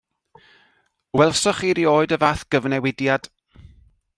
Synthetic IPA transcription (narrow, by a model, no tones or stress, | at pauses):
wɛlˠsɔχiɾioːɨdəvaːθɡ̥əvnɛwɪdjad̥